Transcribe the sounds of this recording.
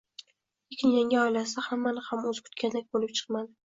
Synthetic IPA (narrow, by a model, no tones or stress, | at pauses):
ekʲʰɪnjaŋʲaɒjlasahamːanɪhamɵzkʰʊ̥t̪̚kʲand̪ak̚ʲbolɪp̚t͡ʃʰɨ̥qmad̪ɪ